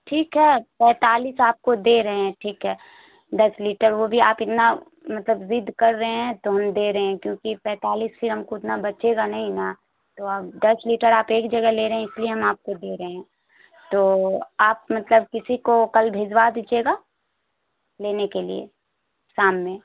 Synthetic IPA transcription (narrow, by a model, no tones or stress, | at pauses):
ʈʰiːkɦɛːpɛ̃ːt̪aːliːsaːp̚kod̪eːɾɐɦeɦɛ̃ʈʰiːkɦɛː | d̪ɐsliːʈəɾʋobʱiaːpɪt̪na | mɐt̪ləbzɪd̪ʱːkɐɾːəɦeɦɛ̃t̪oɦɐmd̪eːɾɐɦeɛ̃kjõːkipɛ̃ːt̪aːliːsfɪɾɦɐmkoɪt̪nabɐt͡ʃeɡanɐɦĩna | t̪oɐbd̪ɐsliːʈəɾaːpeːkd͡ʒɐɡɛleːɾɐɦɛ̃ɪslieɦɐmaːp̚kod̪eːɾɐɦeɦɛ̃ː | t̪oːaːp̚mɐt̪ləb̚kɪsikokɐlbʱeːd͡ʒwaːd̪it͡ʃʰeːɡaː | leːnekelḭḛ | saːmmẽ